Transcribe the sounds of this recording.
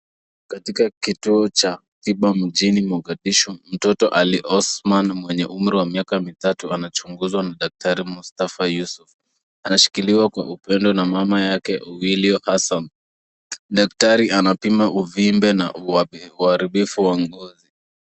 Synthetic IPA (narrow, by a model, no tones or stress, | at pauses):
katikakituɔt͡ʃa | tiɓam̩ʄinimɔɡaɗiʃɔm̩tɔtɔʔaliʔɔsmanmwɛɲɛʔum̩ɾiwamiakamitatuanat͡ʃuŋɡuzwanaɗak̚taɾimustafajusuf | anaʃi̥kiliwakwa̰ʔupɛndɔnamamajakɛʔɔwiliɔhasan | ɗaktaɾiʔanapimaʔuvimbɛna̰uaɾiɓifuwaŋɡɔzi